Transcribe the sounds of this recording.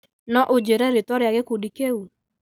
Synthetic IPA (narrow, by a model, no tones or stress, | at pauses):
nɔʔod͡ʒeɾɛɾetɔɾeaɣekodikeu